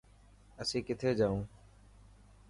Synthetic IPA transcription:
əsĩːkɪt̪ʰeːd͡ʒaːũː

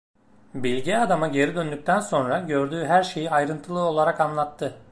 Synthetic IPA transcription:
bilʲɟɛad̪amaɟe̞ɾid̪ønd̪yc̚ʲt̪ʰænso̞nɾaɟø̞ɾd̪yːɦæɾʃe̞jiajɾɯnt̪ʰɯlˠɯo̞lˠaɾakanlˠat̪ʰːɯ

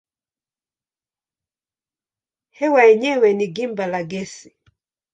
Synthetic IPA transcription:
hɛwaɛɲɛwɛniɡimbalaɡɛsi

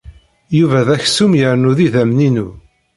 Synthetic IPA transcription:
juvæðæçsumjəɾnuðiðæmninu

